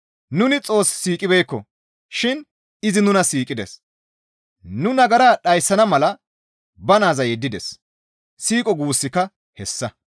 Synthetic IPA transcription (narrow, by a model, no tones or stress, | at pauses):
nʊnɪt͡sʼo̞ːsːiːkʼɪbɛjkːɔ̰ | ʃɪn | ɪzɪnʊnɐsiːkʼɪd̪ɛ̰s | nʊnɐɡɐɾaːɗɐjsːɐnɐmɐlɐ | bɐnaːzɐjɛd̪ːɪd̪ɛs | siːkʼɔɡuːsːɪkːɐ | hɛsːɐ